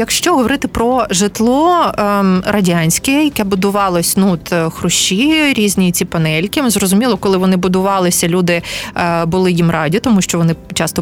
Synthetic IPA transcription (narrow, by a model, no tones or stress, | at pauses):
jɐkʃt͡ʃɔɦɔʋɔɾɪt̪ɪpɾɔʒɪt̪lˠɔ | rɐdʲanʲsʲkɛjɐkɛbʊd̪ʊʋɑlˠɔsʲnuɔt̪xɾʊʃt͡ʃiɾʲizʲnʲit͡sʲipɐnɛlʲkʲɪzrɔzʊmʲilˠɔkɔlˠɪʋɔnɪbʊd̪ʊʋɑlˠɪsʲɐlʲud̪ɪbʊlˠɪjimrɑdʲit̪ɔmuʃt͡ʃɔʋɔnɪt͡ʃɑst̪ɔ